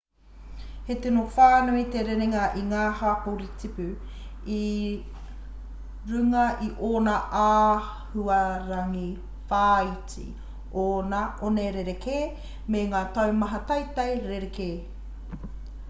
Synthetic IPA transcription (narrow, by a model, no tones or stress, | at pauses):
hetenofaːnuit̪eɾeɾeŋɐʔiŋaːhaːkowɾit͡sipʉ | i | ɾʉŋɐʔiʔoːnɐʔaː | huɐɾɐŋi | faːit͡sḭ | oːnɐʔoneɾeɾekʰeː | meŋaːtɐwmɐɦɐtɐjt̪ɐjɾeɾekeː